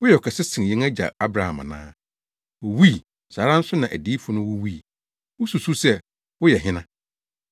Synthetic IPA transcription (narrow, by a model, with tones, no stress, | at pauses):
wʊ˦jɛ˨ɔ˨kʰɛ˨sɪ˦sɪ̃˨jɛ̃˦ŋæ˦d͡ʑa̰˨a˦bɾa˨ha̰˨ma̰˨nã̰ː˦ | wʊ˨wi˦˨ | saː˨˦ɾa˦n̩˦sʊ˦nã˨ʔæ̰˨di˦fʊ˨nʊ̃˦wʊ˦wi˦˨ | ʊ˦su˨su˦sɛ˦ | wʊ˦jɛ˨ɦɪ̃˦nã˦